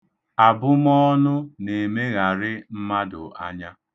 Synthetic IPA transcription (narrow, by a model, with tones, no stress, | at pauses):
a˨bʊ˦m˦ɔ˦nʊ˦ne˨me˦ɣa˨ɾɪ˦m̩˦ma˦dʊ˨a̰˦ɲa˦